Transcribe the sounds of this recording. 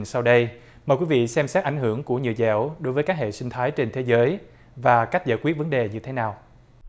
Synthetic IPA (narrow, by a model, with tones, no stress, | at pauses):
sa˧wɗə˧j | məː˨˩jkwi˨˧˦vḭ˧˨sɛ˧msɛ˦˥t̚ʔa˧˩ŋ̟hɨ˧˩əŋku˧˩əɲɨ̰˧˨əzɛ̰˧˩wɗo˨˦jvəː˨˦jkaː˦˥k̚hḛ˧˨si˧ŋ̟t̪ʰaː˨˦jt͡ɕe˧nt̪ʰe˨˦zəː˨˦j | vaː˨˩ka˦˥k̟̚za̰ː˧˨jkwi˦˥ət̚və˨˦nɗe˨˩ɲɨ˧t̪ʰe˨˦naː˨˩w